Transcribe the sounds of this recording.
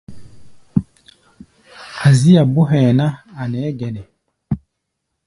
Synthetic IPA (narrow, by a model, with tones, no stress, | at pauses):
a˨zi˦ja˨bu˦ɦɛ˨na˦a˨nɛ˨˦ɡɛ˨nɛ˨